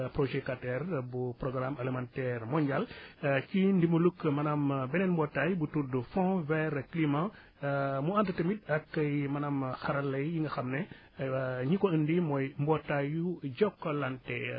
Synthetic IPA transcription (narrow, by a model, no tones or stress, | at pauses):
pɾoʒɛkatɛrbupɾɔɡɾamɐlimãntɛrmɔɲɟalcindimulukːmɐnambɛnɛnmbɔtːajbutudufɔ̃vɛɾklimã | muantɐtəmit̚ɐkːɐjmɐnamxɐɾɐlːɐjːiŋɡɐxɐmnɛ | ɲikɔəndimɔjmbɔtːajuɟɔkːɔlantɛ